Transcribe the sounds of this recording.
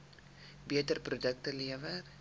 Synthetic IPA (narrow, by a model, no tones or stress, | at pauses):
biətərprodək̚təliəvə